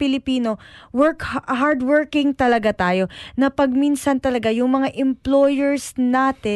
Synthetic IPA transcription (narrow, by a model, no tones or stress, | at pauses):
pɪlɪpiːno̞wɛɹkhhaɾd̪wɛɹkɪŋt̪ɐlɐɡat̪aːjo̞nɐpɐɡ̚minsɐnt̪ɐlɐɡajʊŋmɐŋaʔɛmplojɛɹsnaːt̪ɪ